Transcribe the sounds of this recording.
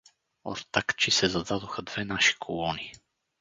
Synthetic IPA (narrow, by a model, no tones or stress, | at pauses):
o̰ɾt̪akt͡ʃisɛzɐd̪ad̪oxəd̪vɛnaʃi̥kʰolˠɔni